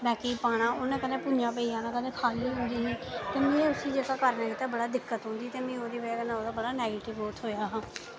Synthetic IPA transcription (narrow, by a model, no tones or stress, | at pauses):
bɛːkipaːɽ̃ãːoːnẽːkənẽːpʊd͡ʒãːp̬əiːaːnãːkənẽːkʰaːliːɦʊ̃ːnd̪iːɦiːt̪eːmẽːʊsiːd͡ʒeːkaːkəɾnãːkiːt̪aːbəɽaːd̪ɪkːət̪ɦʊ̃nd̪iːt̪eːmẽːoːd̪iːbəaːkənãːoːd̪aːbəɽaːnɛːɡeːʈɪʋoːt̪ɦoːjaːɦãː